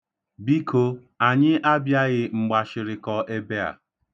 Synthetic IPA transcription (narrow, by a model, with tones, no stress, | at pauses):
bi˦kʰo˦ | a˨ɲɪ˦ʔa˦bja˦ɣɪ˨ŋ͡m̩˨ɡ͡ba˨ʃɪ˨ɾɪ˨kɔ˦ʔe˦be˦a̰˨